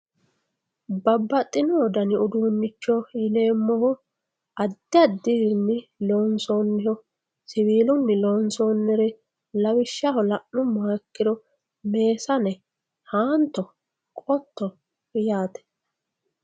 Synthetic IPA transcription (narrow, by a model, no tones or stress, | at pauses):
bɐbːɐt̪ʼːɪnɔɔd̪ɐnɪʊd̪uːnːɪt͡ʃːɔjɪle̞ːmːɔhʊ | ɐd̪ːɪɐd̪ːɪhɪnːɪloːnsoːnːɪhɔ | sɪwiːlʊnːɪloːnsoːnːɛɾɛ | lɐwɪʃːɐhɔlɐʔnːʊmːɔhɐkːɪd̪ɔ | me̞ːsɐnɛ | haːnt̪ːɔ | kʼɔt̪ːɔ | jaːt̪ɛ̥